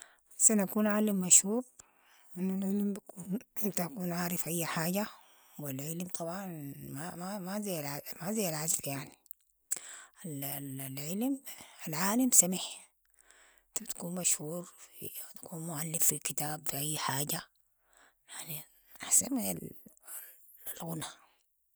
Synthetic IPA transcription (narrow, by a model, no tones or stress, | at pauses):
sanakuːnʕalːamːaʃhuːɾ | ʔɪnːalʕɪlmbakʰuːnmt̪akuːnʕaːɾɪfʔajːħaːɟa | wilʕɪlmt̪ʰˤɑbʕɑnmamamazajlʕamazejalʕazkjaʕni | ʔallʕɪlmalʕaːlamsamiħ | t̪abt̪ḁkuːnmaʃhuːɾfḭt̪ḁkuːnmʊʕalːɪmfikit̪aːbfiʔajːħaːd͡ʒa | jaʕni | aħsana̰l | lɣʊna